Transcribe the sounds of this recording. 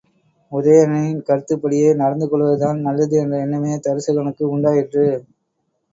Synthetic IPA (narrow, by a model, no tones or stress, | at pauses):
ʊðɐjɐɾɐnɐɪkɐɾɯt̪ːɯpːɐɽɪjeɪnɐɽɐnd̪ɯkːɔɭʋɐðɯt̪aːnnɐlːɐðɯɛndrɐɛnːɐmeːɐt̪ɐɾɯsɐɣɐɳɯkːɯʊɳɖaːjɪʈrɯ